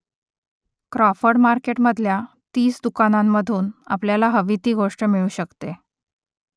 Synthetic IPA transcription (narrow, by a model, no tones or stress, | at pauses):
kɾɔfəɽmaɾkeʈməd̪ʱlja | t̪iːsd̪ukanamːəd̪ʱuːna̰pljalaɦəʋit̪iːɡoʂʈəmiɭuːɕəkt̪e